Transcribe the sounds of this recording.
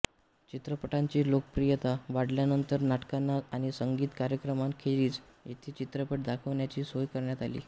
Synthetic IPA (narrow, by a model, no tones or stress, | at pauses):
t͡ɕit̪ɾəpəʈaɲt͡ɕiːlokəpɾijət̪aʋaɽljanənt̪əɾnaʈkanːaaɽ̃isəŋɡiːt̪kaɾjəkɾəmaŋkʰeɾiːt͡sjet̪ʰiːt͡ɕit̪ɾəpəʈ̚d̪akʰəʋɳjat͡ɕiːsojkəɾɳjat̪alḭː